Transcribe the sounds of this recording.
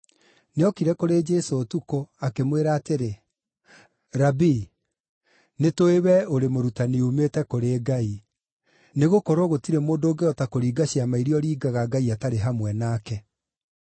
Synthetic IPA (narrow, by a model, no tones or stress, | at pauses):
neɔkiɾɛkoɾed͡ʒɛsoːtukoakemweɾaːteɾe | ɾabi | netoewɛoɾemoɾutaniumetɛkoɾeːɡai | neɣokɔɾoɣotiɾemoːndoːɡeɔtakoɾiːɡaɕiamaiɾiɔɾiːɡaɣaɡaiataɾeɦamwɛnaːkɛ